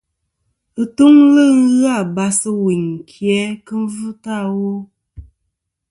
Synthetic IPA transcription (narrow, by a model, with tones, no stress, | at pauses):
ɨ˨tu˦ŋlə˦ŋ̩˦ɣɨ˦a˦˨ba˨sɨ˦wi˨ɲ˨kʰjɛ˨˦kə˦n˦vɨ˦ta˦˨wo˦